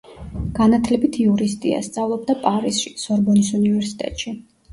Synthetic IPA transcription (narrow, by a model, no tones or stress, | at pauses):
ɡ̥anat̪ʰlɛbit̪ʰiuɾist̪ʼḭa̰st̪sʼavlˠɔb̚d̪apʼaɾisʃḭsɔɾbɔnisunivɛɾsi̥t̪ʼɛ̰t̪ʼʃi